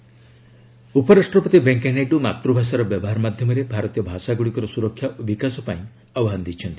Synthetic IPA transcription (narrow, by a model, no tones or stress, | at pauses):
upɔɾasʈɾɔpɔt̪ibeŋkeneɖuma̰t̪ɾubʱas̬aɾɔbjɔbɔɦaɾɔmad̪ʱjɔmɔɾebʱaɾɔt̪ijɔbʱasaɡuɽikɔɾɔsuɾɔkʰːjabikasɔpaĩ | ɔbɔɦanɔd̪it͡ʃʰɔnt̪i